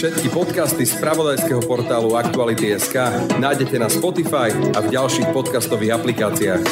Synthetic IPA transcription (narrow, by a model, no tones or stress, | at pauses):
fʃɛt̪kipɔt̪kast̪ispɾaʋɔd̪ajskɛɦɔpɔɾt̪aːluakt̪ualit̪iɛskaːnaːjɟɛcɛnaspɔt̪ifajavɟalʃiːxpɔt̪kast̪ɔʋiːɣaplikaːt͡siaːx